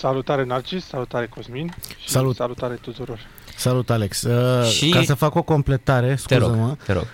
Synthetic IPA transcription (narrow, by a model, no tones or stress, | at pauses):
salut̪aɾenart͡ʃisːalut̪aɾekozminʃsalut̪salut̪aɾet̪ut̪uɾo̞r | salut̪aleksəʃikasəfako̞ko̞mple̞t̪aɾe̞sk̪uɾozəməeɾo̰ɡ